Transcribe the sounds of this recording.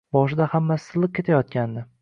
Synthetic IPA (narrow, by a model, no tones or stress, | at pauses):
bɒʃɪd̪ahamːasɪ̥ɪ̥zlˠɨq̚ʲkʰʲe̞t̪ʰajɒt̪̚kʲand̪ɪ